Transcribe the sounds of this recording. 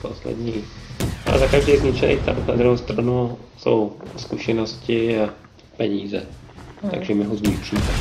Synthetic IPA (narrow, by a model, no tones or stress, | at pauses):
poslɛ̰dɲiʔa̰lɛ̰zakaʒdijzɲɪt͡ʃɛnḛjt̪a̰pnad̪ɾuɦowst̪ɾanuso̰wskuʃɛnoscɪa | pɛɲiːzɛt̪a̰ɡʒɛmɪɦozɲit̪ʃiːmɛ